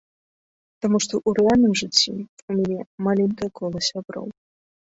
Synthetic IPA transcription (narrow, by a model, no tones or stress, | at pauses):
t̪amuʂt̪ɔʔuɾɛalʲnɨmʐɨt͡sʲːḭumʲanʲɛmalʲɛnkɐjɐkʰɔlˠɐsʲabɾɔ̰w